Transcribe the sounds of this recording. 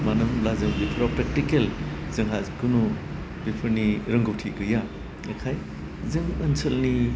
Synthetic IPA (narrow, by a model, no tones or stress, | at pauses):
manɯmlazɯŋbipʰɾapɾek̚tikelzɯŋɦazkɯnu | bipʰɯɾniɾɐŋɡɯwtʰikɯja | ekʰaj | zɯŋɐnsʰɐlni